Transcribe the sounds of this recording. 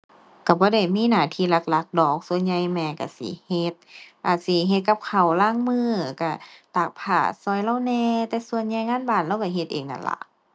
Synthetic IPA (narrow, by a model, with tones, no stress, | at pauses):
ka˧˩bɔː˧˦da˧˩jmiː˧˥˨naː˧˩t̪ʰiː˧˨la˧˥k̚la˧k̚dɔː˨˩k̚su˧ənɲa˧jmɛː˧ka˧˩sḭ˧˦he˧˦t̪̚ʔaː˨˩t̪̚si˧˦ɦe˧t̪̚ka˧p̚kʰa˨˩wlaː˧˥˨ŋmɯː˧˩˨ka˧˩t̪aː˨˩k̚pʰa̰ː˧˩sɔː˧˦jla˧˨wnɛː˧t̪ɛː˧su˧ənɲa˧jŋaː˧˥˨nbaː˧˩nla˧˩wka˧˩ɦe˧t̪̚ʔḛː˨˩ŋʔa̰˧˩nla̰˧˦ʔ